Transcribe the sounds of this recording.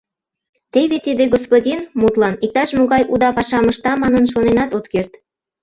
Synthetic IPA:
t̪eβet̪id̪eɡospodʲinmut̪lɑnik̚t̪ɑʃmoɣɑjʔud̪ɑpɑʃɑməʃt̪ɑmɑnənʃonenɑt̪ot̪kert̪

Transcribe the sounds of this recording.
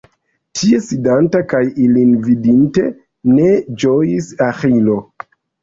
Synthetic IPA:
tʰie̞sidantakajilinvidinte̞ | ne̞d͡ʒojisaxilo̞

